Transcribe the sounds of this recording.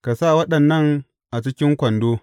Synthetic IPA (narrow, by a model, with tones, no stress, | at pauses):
ka˨sa˦˨wɐ˦ɗɐ˨nːɐ˦˨ŋ | ʔa˨t͡ʃɪ˦kʲɪ˦ŋkʷɐ˨ndoː˦